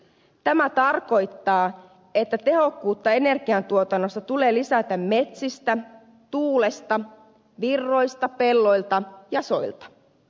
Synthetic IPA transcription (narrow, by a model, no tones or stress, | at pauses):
t̪æmæt̪ɑrko̞jt̪ːɑː | e̞t̪ːæt̪e̞ɦo̞kːuːt̪ːɑe̞ne̞rɡiɑnt̪uo̞t̪ɑnːo̞st̪ɑt̪ule̞ːlisæt̪æmme̞t̪sist̪æ | t̪uːle̞st̪ɑ | ʋirːo̞jst̪ɑpe̞lːo̞jlt̪ɑjɑso̞jlt̪ɑ̥